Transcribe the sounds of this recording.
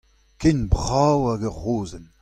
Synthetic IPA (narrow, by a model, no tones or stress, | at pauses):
kenbʁawaɡəʁoːzən